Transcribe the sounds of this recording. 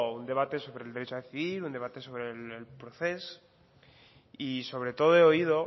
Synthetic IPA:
und̪e̞β̞at̪e̞so̞βɾe̞leɾe̞t͡ʃoaðeθiβiɾund̪e̞β̞at̪e̞so̞βɾe̞lːlpɾo̞θe̞s | iso̞βɾe̞t̪o̞ðoeo̞ið̞o̞

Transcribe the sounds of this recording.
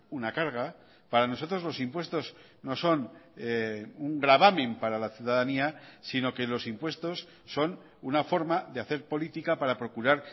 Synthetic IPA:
unakaɾɣ̞a | paɾano̞so̞t̪ɾo̞zlo̞simpwe̞st̪o̞s | no̞so̞neuŋɡɾaβ̞amĩmpaɾalaθjuðaðaniasino̞ke̞lo̞simpwe̞st̪o̞sː | o̞n | unafo̞ɾmaðeaθe̞ɾpo̞lit̪ikapaɾapɾo̞kuɾaɾ

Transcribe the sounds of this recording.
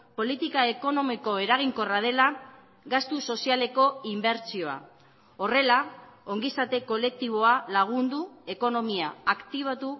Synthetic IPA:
po̞lit̪ikae̞ko̞no̞miko̞e̞ɾaɣ̞iŋko̞rað̞e̞la | ɡast̪uso̞siale̞ko̞imbe̞ɾt͡sio̞a̰ | o̞re̞lao̞ŋɡisat̪eko̞le̞k̚t̪iβ̞o̞alaɣ̞und̪ue̞ko̞no̞miaːkt̪iβ̞at̪u

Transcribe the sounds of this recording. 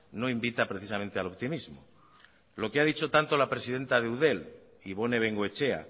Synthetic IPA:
no̞imbit̪apɾe̞θisamẽnt̪ealopt̪imizmo | lo̞keaðit͡ʃo̞t̪ant̪olapɾe̞siðẽ̞nt̪aðeuðe̞l | iβ̞o̞ne̞β̞e̞ŋɡwoe̞t͡ʃe̞a̰

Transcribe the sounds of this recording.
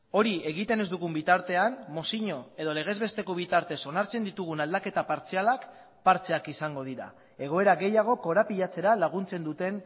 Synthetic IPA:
o̞ɾie̞ɣit̪e̞ne̞zd̪uɣ̞umbit̪aɾt̪e̞anmo̞siɲo̞e̞ð̞o̞le̞ɣ̞e̞zβe̞st̪e̞ko̞β̞it̪aɾt̪e̞so̞naɾt͡se̞nd̪it̪uɣunald̪ake̞t̪apaɾt͡sialak | paɾt͡se̞akisaŋɡo̞ð̞iɾa̰ | e̞ɣ̞o̞e̞ɾaɣe̞jaɣ̞o̞ko̞ɾapiʎat͡se̞ɾalaɣ̞unt͡se̞nd̪ut̪e̞n

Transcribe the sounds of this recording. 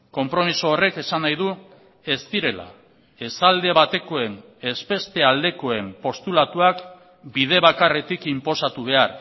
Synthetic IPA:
ko̞mpɾo̞misoːre̞ke̞sanajðu | e̞st̪iɾe̞la̰ | e̞sald̪e̞βat̪e̞ko̞e̞n | e̞spe̞st̪e̞ald̪e̞ko̞e̞mpo̞st̪ulat̪uak | bið̞e̞βakare̞t̪ikimpo̞sat̪uβ̞e̞aɾ

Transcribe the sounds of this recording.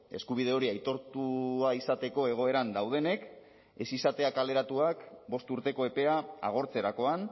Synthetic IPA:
e̞̰skuβ̞ið̞e̞o̞ɾiajt̪o̞ɾt̪uaisat̪e̞ko̞e̞ɣ̞o̞e̞ɾand̪awð̞e̞ne̞k | e̞sisat̪e̞akale̞ɾat̪uakbo̞st̪uɾt̪e̞ko̞e̞pe̞aa̰ɣ̞o̞ɾt͡se̞ɾako̞an

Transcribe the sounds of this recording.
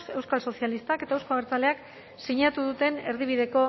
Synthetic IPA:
se̞wskalso̞sijalist̪ake̞t̪aewskoβeɾt͡sale̞ak | siɲat̪uðut̪e̞ne̞ɾðiβ̞iðe̞ko̞

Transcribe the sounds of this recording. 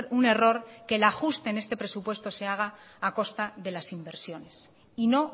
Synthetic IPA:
ɾune̞ro̞ɾke̞laxust̪e̞ːne̞st̪e̞pɾe̞supwe̞st̪o̞se̞aɣ̞aːko̞st̪aðe̞lasimbe̞ɾsjo̞ne̞s | ino̞

